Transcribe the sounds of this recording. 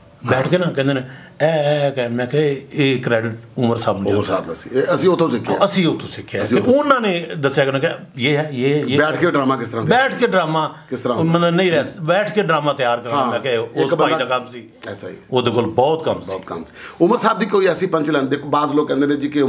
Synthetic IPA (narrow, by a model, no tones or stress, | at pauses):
bɛːʈʰkeːnãːkɛ̃ːnd̪eːnẽ | ɛːkɛmɛ̃ːkɛeːkɾɛːɖɪʈ̚ʊməɾsaːbnːɾsaːb̪siəsĩːot̪ʰːõːsɪkʰːəsĩːʊt̪ʰːõːsɪkʰːjaːeʊnãːneːd̪əsːjaːkenãːke | jeːɛːjeːebɛːʈʰkeɖɾaːmãːkɪst̪əɾãːbɛːʈʰkeːɖɾaːmãːkɪst̪əɾãmət̪lənəĩːɾɛɛbɛːʈʰkeːɖɾaːmãːt̪jaːɾkəɾãmɛ̃ːkɛʊsbaːid̪aːkəmsiː | ɛːsaḭoːd̪eːkolbɔːt̪kəmst̪kəmsi̥ːʊməɾsaːbd̪iːkoːiəsĩːpə̃ɲt͡ʃlɛ̃ːnd̪eːkʰoːbaːzloːkːɛ̃ːnd̪eːnẽːd͡ʒikɪ